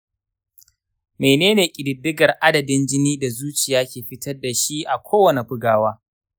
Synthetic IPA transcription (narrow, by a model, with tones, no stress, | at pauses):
meː˨neː˦neː˨kʲʼɪ˨dɪ˨dːɪ˦ɡɐ˨rʔa˦dɐ˨dɪ˦nd͡ʒɪ˦niː˦da˨zuː˦t͡ʃɪ˨jaː˦kʲeː˨ɸɪ˦tɐ˦rda˨ʃi˦ʔa˨kʷʰoː˦wɐ˨ne˨ɸʊ˦ɡaː˦waː˦